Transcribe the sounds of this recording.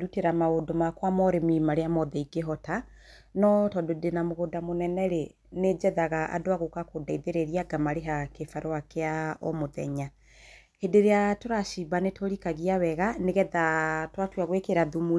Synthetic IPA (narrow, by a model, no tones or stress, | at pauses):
ɾuteɾamaodomakwamɔɾemimaɾeamɔðɛiɡeɦɔta | nɔtɔdodenamoɣodamonɛnɛɾe | ned͡ʒɛðaɣaʔa̰doaɣokakodaiðeɾeɾiaɡamaɾeɦakefaɾowakeaɔ̰moðɛ̰ɲa | hedeɾeatoɾaʃibanetoɾikaɣiawɛɣaneɣɛðatwatwaɣwekeɾaðumu